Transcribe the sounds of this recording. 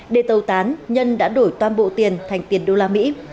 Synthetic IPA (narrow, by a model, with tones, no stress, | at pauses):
ɗe˧˩t̪ə˨˩wt̪aː˨˦nɲə˧nɗa̰ː˧˥ɗo˧˩jt̪waː˧nɓo̰˧˨t̪i˨˩ənt̪ʰa˨˩jŋ̟t̪i˨˩ənɗo˧laː˧mḭ˧˥